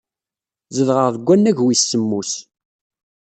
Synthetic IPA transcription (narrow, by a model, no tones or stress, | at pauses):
zəðʁəʁðəɡʷːænːæʝwisːəmːus